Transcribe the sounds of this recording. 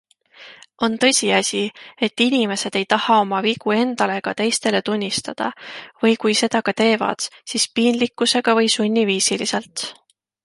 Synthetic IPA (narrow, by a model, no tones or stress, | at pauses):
o̞nt̪ɤ̞sʲiɑsʲie̞t̪ːˑinʲime̞se̞d̪̥e̞jt̪ɑhɑo̞mɑviɡ̥ue̞nd̪̥ɑle̞kɑt̪e̞jst̪e̞le̞t̪unʲːist̪ɑd̪̥ɑ̰vɤjkujse̞d̪̥ɑkɑt̪e̞ːvɑ̰d̪̥sispiːnlikːuse̞ɡ̥ɑvɤjsunʲːiviːsilise̞lt̪